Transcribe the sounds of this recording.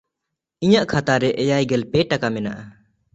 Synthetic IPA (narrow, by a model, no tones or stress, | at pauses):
iɲaʔkʰat̪aɾɛʔɛjajɡɛlpɛʈakamɛna̰ʔa